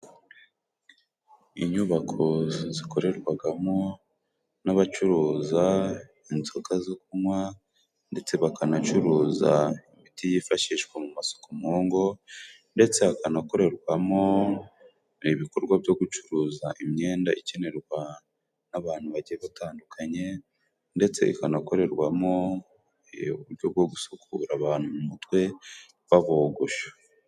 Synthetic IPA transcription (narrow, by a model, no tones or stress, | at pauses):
iɲuβakʰo̞ziko̞ɾe̞ɾɡwaɡamo̞ | naβat͡ʃuɾuːza | inzoɡazok̚umwa | nde̞t͡se̞βakanat͡ʃuɾuːza̰imitijifaʃiːʃɡwamumaso̥komoːŋɡo̞ | nde̞t͡se̞βakanako̞ɾe̞ɾɡwamo̞ | iβiko̞ɾɡwabjo̞ɡut͡ʃuɾuːzaʔimɲe̞ːndaice̞ne̞ɾɡwa | naβaːn̥huβaɟieβataːndukʰaɲe̞ | nde̞t͡se̞̰ḭkanako̞ɾe̞ɾɡwamo̞ | uβuɾɟo̞b̚ɡo̞ɡusukʰuːɾaβaːnhumumutwe̞ | βaβoɡoʃo̥